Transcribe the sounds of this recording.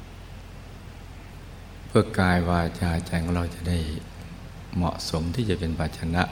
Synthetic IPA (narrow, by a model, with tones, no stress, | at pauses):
pʰɯ˥˩ɐkaː˧jwaː˧jt͡ɕaː˧jt͡ɕa˧jkʰɔ˥˩˧ɾa˧wt͡ɕa˨˩ʔda˥˩j | mɔ̰˨˩ʔso˩˦mt̪ʰiː˥˩t͡ɕa˨˩pe˧npaː˧t̪̚t͡ɕʰa˧na˦˥ʔ